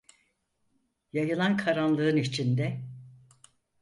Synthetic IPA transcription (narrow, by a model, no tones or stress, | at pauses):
jajɯlˠankʰaɾanlˠɯɯnit͡ʃʰind̪ɛ